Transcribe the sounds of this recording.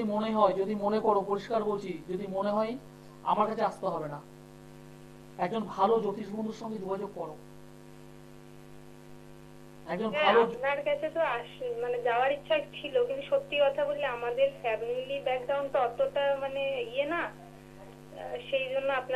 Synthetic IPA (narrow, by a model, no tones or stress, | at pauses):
imoneɦɔed͡ʑod̪imonekɔɾopoɾiʃkaɾkoɾt͡ɕʰid͡ʑod̪imoneɦɔe | a̰maɾkat͡ɕʰeaʃt̪eɦɔbena | ɛk̚d͡ʑonbʱalod͡ʑot̪ʰiʃbʱond̪oɾʃɔŋɡed͡ʑoɡʱad͡ʑoɡ̚kɔɾo | ɛkd͡ʑonbʱalonaɾkat͡ɕʰet̪oaʃmaned͡ʑaoaɾitːɕʰakt͡ɕʰilokint̪uʃot̪ːikɔt̪ʰaboleamad̪eɾfɛmnilibɛkɖawnʈaɔt̪ːoʈamaneiena | ʃejd͡ʑonːoapna